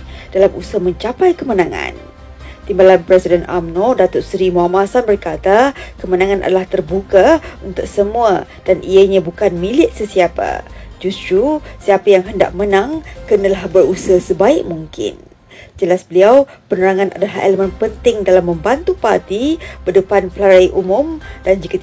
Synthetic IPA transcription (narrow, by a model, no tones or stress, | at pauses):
d̥alamusəmə̃ɲt͡ʃapajkəmənãŋã̰n | t̪imbalanpɾesidɛna̰mnɔdat̪ʊt̪sɾimuamasanbərkat̪akəmənãŋãnʔa̰dalaht̪ərbukaunt̪ʊk̚səmũa | d̥anʔiəɲãbukanmĩlɪʔ̪̚səsiapa̰d͡ʒust̪ɾusiapajaŋɦənda̰ʔmənãŋkənãlahbərusəɦəsəbaɪʔ̚muŋkɪ̰n | d͡ʒəlasbəliaw | pənəɾaŋãna̰dalahḛləmə̃npənt̪ɪŋdalamːə̃mbant̪upart̪ibədəpanpəlaɾajʔumʊ̃md̥and͡ʒikat̪